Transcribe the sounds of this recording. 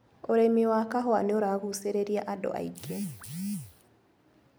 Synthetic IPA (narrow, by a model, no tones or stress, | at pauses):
oɾemiwakaɦwaneoɾaɣuseɾeɾiaʔadɔ̰ʔa̰iɡe